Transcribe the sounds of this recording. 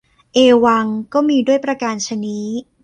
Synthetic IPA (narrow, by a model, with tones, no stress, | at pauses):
ʔeː˧wa˧ŋkɔː˥˩miː˧du˥˩əjpɾa˧kaː˧nt͡ɕʰa˧ni˦˥